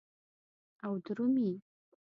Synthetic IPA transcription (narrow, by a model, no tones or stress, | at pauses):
awdɾɨmi